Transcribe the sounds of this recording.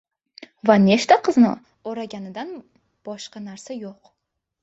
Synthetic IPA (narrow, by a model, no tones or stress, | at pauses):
vane̞ʃt̪aqʰɨznɪ̰ | oɾaɡʲanɪd̪an | b̥ɒʃqɑnaɾsajoq